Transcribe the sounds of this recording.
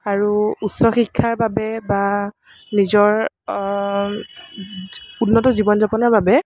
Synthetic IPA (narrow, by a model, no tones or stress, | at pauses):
aɹuutsɔxikʰːaɹbabɛba | nizɔɹ | unːɔtɔzibɔnzapɔnɔɹbabɛ